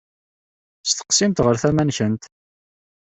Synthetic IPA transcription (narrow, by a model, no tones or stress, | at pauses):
st̪ə̥qsimt̪ʁəɾθæmænçənt̪